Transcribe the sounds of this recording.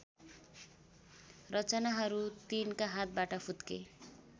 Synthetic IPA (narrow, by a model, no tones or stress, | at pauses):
rʌt͡sʌnaɦʌɾut̪inkaɦat̪̚baʈʌpʰut̪kḛ